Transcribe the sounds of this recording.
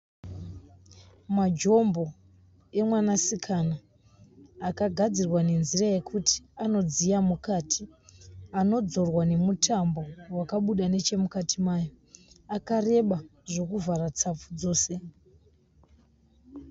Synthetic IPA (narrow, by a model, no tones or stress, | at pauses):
mad͡ʒo̞mbo̞ | e̞mwanasikʰanaː | kaɡʱad͡zirwane̞nziraje̞kʰuti̥ano̞d͡zijamukatʰi | ano̞d͡zo̞rwane̞mutʰambo̞wakaɓuɗane̞t͡ʃe̞mukatʰimaːjo̞ | akare̞ɓaʐo̞kuvʱarat͡sap͡fud͡zo̞ːse̞